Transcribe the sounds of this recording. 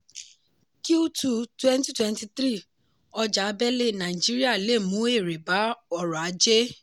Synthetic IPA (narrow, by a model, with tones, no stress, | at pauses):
ki˦u˦tu˦˨twɛ̃˦n˦ti˦twɛ̃˦n˦ti˧t̪ɾi˦˨ | ɔ˧d͡ʒa˨˦bɛ˦le˦˨nã˨i˨d͡ʒi˨˦ɾi˦a˦˨le˦˨mũ˨˦e˦˨ɾe˨ba˨˦ɔ˧ɾɔ˨a˨˦d͡ʒe˦